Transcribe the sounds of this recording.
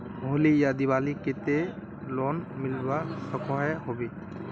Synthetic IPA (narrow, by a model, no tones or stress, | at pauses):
mʱolijad̪iβaliket̪e | lɔnmilbasɔkɔɦɛɦobi